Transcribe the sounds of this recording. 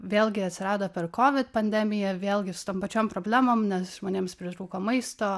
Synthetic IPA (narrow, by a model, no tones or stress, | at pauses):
ʋʲeːlˠʲɡʲɪɐt̪ʲsʲɪɾɑːd̪oːpʲɛrkoːʋʲɪt̪pɐnʲd̪ʲɛmʲɪjɛʋʲeːlˠʲɡʲɪsʊ̥t̪oːmpɐt͡ʃʲoːmpɾoːbʲlʲæːmoːmnʲɛsʒmoːnʲeːmspʲɾʲɪt̪ɾuːkoːmɐɪst̪oː